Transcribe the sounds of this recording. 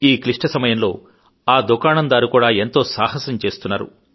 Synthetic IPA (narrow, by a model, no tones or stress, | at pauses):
iːkliʂʈɐsɐmɐjɐmlo̞ː | aːd̪ukaːnɐnd̪aːɾukuːɽaːe̞nt̪o̞ːsaːhɐsɐmt͡ʃe̞ːst̪unːaːɾṵ